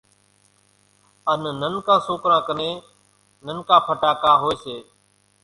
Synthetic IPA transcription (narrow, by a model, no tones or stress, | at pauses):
ənnənkãːsoːkɾãːkəneː | nənkãːpʰəʈaːkãːɦoːeːseː